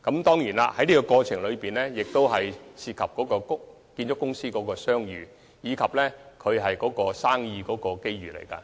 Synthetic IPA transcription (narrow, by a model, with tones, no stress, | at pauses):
kɐ˨˥mt̪ɔː˥ŋjiː˨˩na̰˧hɐ˨˥jniː˥kɔ˧kɔː˧t͡ʃʰɪ˨˩ŋlɵ˨˧ɥpiː˨˩nlɛː˥jɪ˨k̚t̪o˥wɦɐ˨jsiː˧t̚kʰɐ˨p̚kɔː˨˥kɔː˧kʊ˥ | kiː˧nt͡ʃɔː˨˥kʊ˥ŋsiː˥kɔː˨˥kɔː˧sœː˥ŋjyː˨˩ | jiː˨˧kʰɐ˨p̚lɛ˥kʰɵ˨˧ɥɦɐ˨jkɔː˨˥kɔː˧saː˥ŋjiː˧kɔː˨˥kɔː˧ke˥jɥyː˨lḛ˨˩jkɐ̰˧